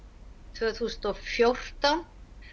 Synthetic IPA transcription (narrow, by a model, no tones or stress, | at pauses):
t̪ʰvɛθusnt̪ɔfjowr̥t̪an